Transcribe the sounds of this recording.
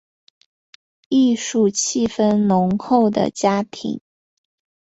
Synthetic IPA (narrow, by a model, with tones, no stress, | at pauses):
i˥˧ʂu˥˩t͡ɕʰi˥˩fə˥nlʊ˧˥ŋxo˥˩ʊd̪ə̰˩t͡ɕja˥t̪ʰḭ˧˥ŋ